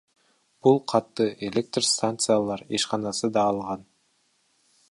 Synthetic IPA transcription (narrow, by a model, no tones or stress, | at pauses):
b̥ulˠqʰɑt̪ːɯelʲek̚t̪rst̪ant̪sɨjalˠɑɾeʃqɑnɑsɯd̪ɑːlˠʁɑn